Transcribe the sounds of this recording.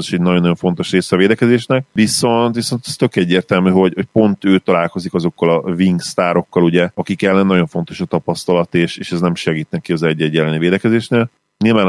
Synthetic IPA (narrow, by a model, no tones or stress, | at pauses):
ziʃɛɟnɒjonːjo̞ɱfo̞n̪t̪o̞ʃreːsɛɒveːd̪ɛkɛzeːʃnɛk̚viso̞nt̪ʋiso̞nt̪ɛ̥st̪ø̞kɛɟːeːrt̪ɛlmyːɦo̞ɟho̞c̚po̞nt̪øːt̪ɒlaːlko̞zikɒzo̞kːɒlɒviŋɡst̪aːɾo̞kːɒluɟɛɒkikɛlːɛnːɒɟo̞ɱfo̞nt̪o̞ʃɒt̪ɒpɒst̪ɒlɒt̪eːʃeːʃɛznɛmʃɛɡiːt̪nɛkːiɒzɛɟːɛɟːɛlɛniveːd̪ɛkɛzeːʃneːl | nilvaːn